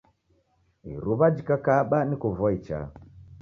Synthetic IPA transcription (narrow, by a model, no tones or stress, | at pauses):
ḭɾuβad͡ʒikakaɓanikuvɔit͡ʃa̰